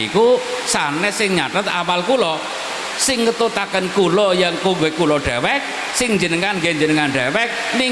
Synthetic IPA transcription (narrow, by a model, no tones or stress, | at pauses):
ḭku | sanɛsɪŋɲaʈət̪a̰walkulɔ | sɪŋːət̪ut̪akənkulɔjaŋkuŋɡekulɔɖ̥ɛwɛk̚ | sɪŋɲd͡ʒənəŋanɡeɲd͡ʒənəŋanɖ̥ɛwɛk̚ | ni